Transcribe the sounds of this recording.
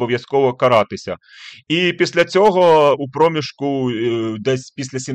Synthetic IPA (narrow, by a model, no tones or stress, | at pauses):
bɔʋjɐskɔʋɔkɐɾɑt̪ɪsʲɐ̰ | ipʲisʲlʲɐt͡sʲɔɦɔupɾɔmʲiʃkʊd̪ɛsʲpʲisʲlʲɐsʲim